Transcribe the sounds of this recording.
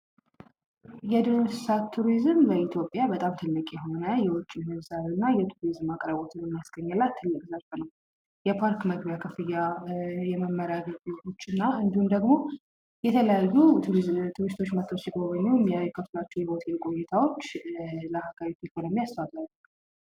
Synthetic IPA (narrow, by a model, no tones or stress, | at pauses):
jɛd̪ɨno̥sat̪ʰːuɾizɨmləit̪ʰjo̞pʼjabət̪ʼamt̪ʰɨlːɨkʼjɛɦo̞nəjɛwʊt͡ʃʼːimɨzaɾɨnːajɛt̪ʰuɾizɨmakʼɾəβot̪ʰɨnjɛmːijasɡ̥əɲːɨlːat̪ʰːɨlːɨkʼzaɾfənəw | jɛpʰaɾkməɡbjakʰəfɨjajɛməmːəɾaɡəd͡ʒot͡ʃːɨnːaɨnd̪ihumd̪əɡmo̞ | jɛt̪ʰələjajut̪ʰuɾist̪ʰo̞t͡ʃːmət̪ʰːot͡ʃːjɛɡoβəɲːujɛmːijajukʰəflat͡ʃːɛwjɛot̪ʰʼɛlkʼo̞jɛt̪ʰawo̞t͡ʃːləhaɡaβit̪ʰekʰonomijast̪ʰəwat̪ʼalː